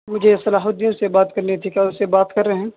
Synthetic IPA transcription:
mʊd͡ʒʱesɐlaːɦʊd̪ijõsebaːt̪kɐɾnet̪ʰikaːʊsebaːt̪kɐɾːɐɦɛ̃ː

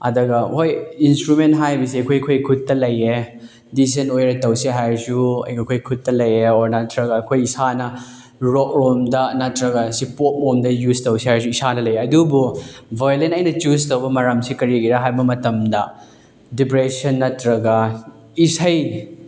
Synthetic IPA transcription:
ɐ̰dɐɡɐɦojinstɾument̚ɦajbɐsiɐkʰojkʰojkʰutːɐlɐje | dis̬ɐnojɾɐtɐwsiɦajɾzuɐ̰jɡakʰojkʰutːɐlɐjeoɾnɐtɾɐɡɐːkʰojisanɐ | ɾok̚ɾomdɐnɐtɾɐɡɐsipot̚momdɐjuztɐwsihajɾsuisanɐlɐjeɐdububʱojlenɐjnɐt͡ʃustɐwbɐmɐɾɐmsikɐɾiɡiɾɐɦajbɐmɐtɐmdɐ | dipɾesɐnːɐtɾɐɡɐ | isɐj

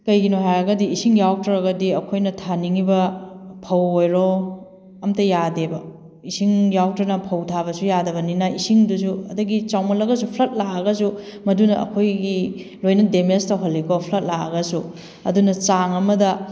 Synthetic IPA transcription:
kɐjɡinoɦajɐɡɐdiːsiŋjawtɾɐɾɐɡɐdiɐkʰojnɐtʰaniŋibɐpʰɐwojɾo | ɐmtɐjadebɐ | isiŋjawtɾɐnɐpʰɐwtʰabɐsujadɐbɐninɐisiŋdus̬uɐ̰dɐɡit͡ʃawmɐlɐɡɐs̬upʰlɐt̚laɐɡɐsumɐdunɐɐ̰kʰojɡi | lojnɐdemestɐɦolːikopʰlɐt̚laɐ̰ɡɐsu | ɐ̰dunɐt͡ʃaŋɐmɐdɐ

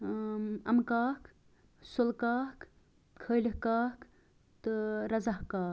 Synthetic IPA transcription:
ɐmkaːk | solkaːk | kʰəjlihkaːk | t̪ɨɾɐzɐhkaː

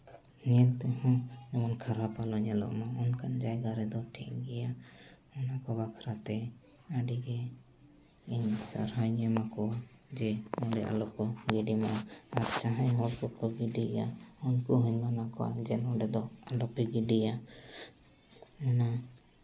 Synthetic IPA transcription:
ɲɛlt̪ɛɦɔ̃d͡ʒɔmɔnkʰaɾapalɔɲɛlɔ̰ʔmaɔnkand͡ʒajɡaɾɛd̪ɔʈʰiʔɡɛja | ɔnakɔβakʰaɾat̪ɛ | aɖiɡɛ | iɲsa̰ɾhajɲɛmakɔwa | d͡ʒɛɔ̃ɖɛʔa̰lɔkɔɡiɖimaaaɾt͡ʃaɦãjɦɔɾkɔkɔɡiɖija̰ɔnkuɦuɲbanakɔwa̰d͡ʒɛnɔɖɛd̪ɔalɔpɛɡiɖija | ɔna

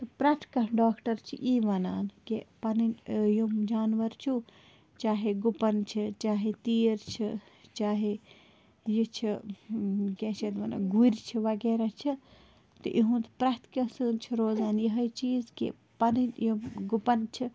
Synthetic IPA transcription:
t̪pɾɐt̪ʰkɐɖaːkʈɐɾt͡ʃʰiʔiːʋɐna̰ːnkepɐninjumd͡ʒaːnʋɐɾt͡ʃʰu | t͡ʃaːɦeɡupɐnt͡ʃʰit͡ʃaːɦet̪iːɾt͡ʃʰit͡ʃaːɦe | jit͡ʃʰi | ɡeːt͡ʃʰet̪ʋɐna̰ɡuɾʲt͡ʃʰiʋɐɡeːɾat͡ʃʰi | t̪ɨʔiɦũt̪pɾɐt̪kɐsɨnt͡ʃʰiɾoːzaːnjɐɦɐjt͡ʃiːzkḭ | pɐninjimɡupɐnt͡ʃʰi

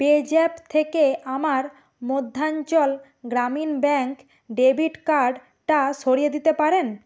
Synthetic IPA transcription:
ped͡ʑɛpt̪ʰekeamaɾ | mod̪ʱːaɲt͡ɕɔl | ɡɾaminbɛŋk | ɖebʱiʈkaɾɖ | ʈaʃoɾijed̪it̪epaɾen

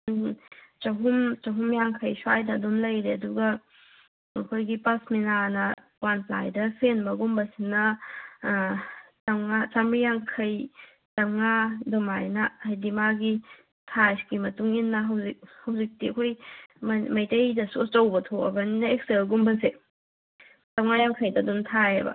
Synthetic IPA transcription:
nt͡ʃɐɦumt͡ʃɐɦumjaŋkʰɐjswajdɐdomlɐjɾeɐduɡɐ | ɐkʰojɡipɐsminanɐkwanpla̰jdɐpʰenbɐɡumbɐsinːɐ | tɐmŋat͡ʃamɾijaŋkʰɐj | tɐmŋadomajnɐajdimaɡi | tʰajsɡimɐtuŋinːɐɦɐwzik̚hɐwzik̚tiɐkʰojmmɐjtɐjdɐsust͡ʃɐwbɐtʰoɐ̰bɐninɐek̚selɡumbɐnse | tɐmŋajaŋkʰɐjdɐːduntʰajebɐ̰

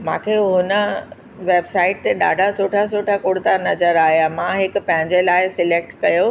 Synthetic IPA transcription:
mã̰ːkʰeɦʊnə̆ | ʋeːbsaːɪʈ̚t̪eɗa̰ːɖʱasoːʈʰas̬oːʈʰakoːɽt̪anɐzəɾaːɦeamãɦɪkʊ̆pɐ̃ɦɪ̃ɲd͡ʑelaːɪsɪleːk̚ʈkɐjo

